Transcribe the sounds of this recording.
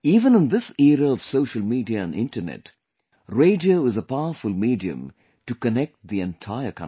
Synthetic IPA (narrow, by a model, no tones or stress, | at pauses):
iːʋə̃nə̃nd̪ɪsɛɾəɔʋ̥soʊʃəlmiːɖiəæ̰̃nɖɪ̰̃nʈənɛ̰ʈ | ɾeɪd͡ʒoɪzəpaʊəfʊlmiːɖiɨ̰̃m | ʈukənɛk̚ʈ̚d̪iɛ̃nʈʰaɪəkʰʌ̰̃